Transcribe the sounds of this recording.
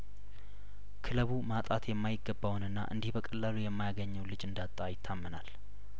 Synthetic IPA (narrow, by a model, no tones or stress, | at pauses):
kʰɨləβumat̪ʼat̪ʰjɛmːajɪɡːəbːawnɨnːa̰ʔɨ̰nd̪ihbəkʼəlːalujɛmːajaɡəɲːɛwlɨd͡ʒɨnd̪at̪ʼːajɪt̪ʰːamːənal